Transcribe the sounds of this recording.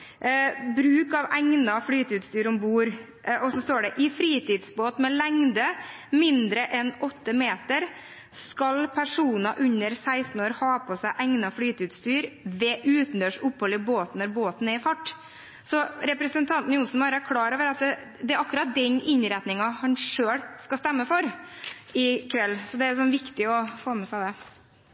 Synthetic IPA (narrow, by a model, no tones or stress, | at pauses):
bɾʉːkɑʋæŋnɑfɽyːt̪əʉt̪st̪yːɾɔmbuːɾ | ɔsɔst̪oːɖɛʔɪfɾiːt̪ɪːd̪sboːt̪mɛlæŋd̪ə | mɪnd̪ɾəʔɛnɔt̪ːəmeːt̪əɾ | skɑlpʰæʂuːnɑʔʉɲəɾsæɪst̪n̩oːɾhɑːpʰɔsæɪʔæŋnɑfɽyːt̪ʉt̪st̪yːɾʋɛʔʉːt̪n̩d̪øːʂʊpːhɔləboːt̪nɔɾboːt̪n̩ɛɾɪfɑʈː | sɔɾɛpɾəsənt̪ʰɑnt̪n̩jʊnsn̩bɑːɾəæɾkʰlɑːɾoːʋəɾɑt̪ | d̪ɛɾɑkːʉɾɑt̪̚d̪ɛɲɪɲɾɛt̪nɪŋɑhɑnʂøːɽskɑst̪ɛmːəfɔɾ | ɪkʰʋɛlːsɔd̪ɛæs̬ɔnʋɪkt̪ɪɔfoːmɛsæɪd̪ɛ